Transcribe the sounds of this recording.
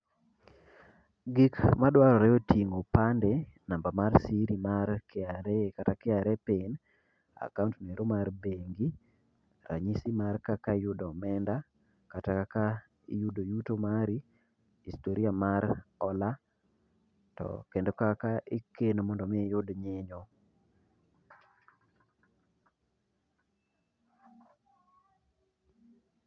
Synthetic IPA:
ɡikmadwaɾɔɾɛotʰiŋopande | nambamarsiɾimarkɪaɾekatakɪaɾɛpɪn | a̰kaũntmeɾomarbeŋɡi | ɾa̰ɲisimarkakajʊdɔmɛnda | katakaka | judojutomaɾi | istoɾiamaɾɔla | tɔ̰kendokakaʔɪkenomɔndɔmɪjodɲɪɲɔ

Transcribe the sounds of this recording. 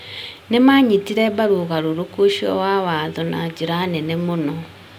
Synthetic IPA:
nemaɲitiɾɛbaɾuɣaɾoɾokoʃiɔ̰wawaðɔnad͡ʒiɾanenemonɔ

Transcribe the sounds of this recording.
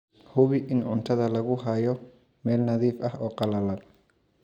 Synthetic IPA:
hʊβɪʔɪnʊnt̪ʰɐðɐlɐɣʊɦɐjɔ | mɛːlnɐðiːfɐɦɔːqɑlɐlɐd̪

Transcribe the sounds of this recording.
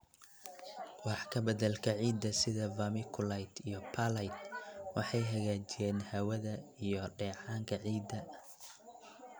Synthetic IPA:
wɑħkʰɐbɐðɐlkʰɐʕiːd̪ːɐsɪðɐvɐmɪkʰʊlajt̪ʰijɞpʰɐlɐjt̪wɑħɑjɦɐɣaːt͡ʃɪjɛːnhɐwɐðɐijɔɖɛːʕɑːŋkʰɐʕiːd̪ːɐ

